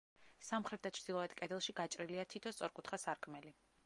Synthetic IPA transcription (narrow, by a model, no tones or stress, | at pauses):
samχɾɛt̪̚d̪at͡ʃʰɾd̪̥ilˠɔɛd̪kʼɛd̪ɛlˠʃiɡat͡ʃʼɾiliat̪ʰit̪ʰɔst̪sʼɔɾkʼut̪ʰχasaɾkʼmɛli